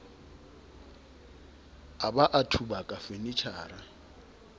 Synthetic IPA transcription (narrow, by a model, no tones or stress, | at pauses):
abaʔatʰubakʼafenit͡ʃʰaːɾa